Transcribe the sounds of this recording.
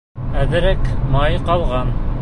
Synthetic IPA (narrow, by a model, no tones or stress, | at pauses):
æðɘ̆ɾɘkmɑjqɑlˠʁɑn